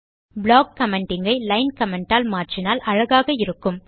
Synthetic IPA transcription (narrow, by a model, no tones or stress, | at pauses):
bɪɭaːk̚kɐmɛɳʈɪŋɡɐɪlɐɪnkɐmɛɳʈaːlmaːrʈrɪnaːlʔɐɻɐɣaːɣɐɪɾɯkːɯm